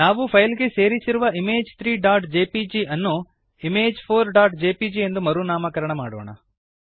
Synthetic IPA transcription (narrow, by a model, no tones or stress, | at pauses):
naːʋupʰɐjlɡe̞se̞ːɾisiɾuʋɐimeːd͡ʒt̪ʰɾiːɖaːɾʈd͡ʒeːpid͡ʒiɐnːu | imeːd͡ʒpʰoːɾɖaːʈd͡ʒeːpid͡ʒiend̪umɐɾunaːmɐkɐɾɐɳɐmaːɽo̰ːɳɐ̰